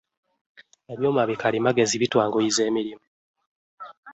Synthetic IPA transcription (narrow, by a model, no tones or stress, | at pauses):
eβjo̞ːmwaβikalimaɡe̞ziβitwaːŋɡojize̞ːmiɾimu